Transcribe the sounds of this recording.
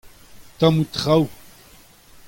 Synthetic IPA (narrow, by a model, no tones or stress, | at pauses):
t̪amut̪χaw